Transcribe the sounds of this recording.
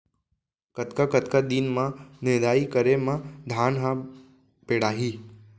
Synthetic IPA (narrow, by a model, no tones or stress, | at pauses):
kət̪kakət̪kad̪inmãned̪aːikəɾemãd̪ʱaːnɦã | peːɽaːɦiː